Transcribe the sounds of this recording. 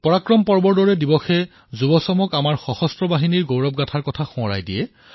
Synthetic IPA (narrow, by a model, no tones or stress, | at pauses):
pɔɹakɹɔmpɔɹbɔɹdɔɹɛdibɔxɛ | zubɔsɔmɔkamaɹxɔxɔstɹɔbaɦiniɹɡowɹɔp̚ɡatʰaɹkɔtʰaxũɔɹa̰jdijɛ